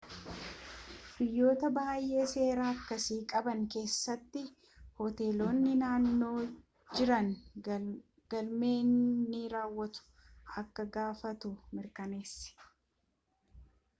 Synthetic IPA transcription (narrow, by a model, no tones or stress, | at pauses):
b̥ɪjːo̞ːt̪ɐbaːjːʔe̞ːse̞ːɾaːɐkːɐsiːkʼɐbɐŋke̞ːsːɐt̪ːɪ | hɔt̪e̞ːlo̞ːnːɪnaːnːo̞ː | d͡ʒɪɾɐŋ | ɡ̥ɐlme̞ːnːiːɾaːwːɐt̪ʊ̥ | ʔɐkːɐɡaːfɐt̪ʊmɪɾkɐne̞ːsːɪ̥